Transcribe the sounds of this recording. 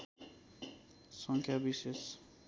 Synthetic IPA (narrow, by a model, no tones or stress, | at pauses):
sʌŋkʰjabises